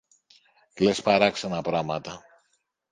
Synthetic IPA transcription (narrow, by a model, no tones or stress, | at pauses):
klespɐɾɐksenɐpɾɐmɐt̪ɐ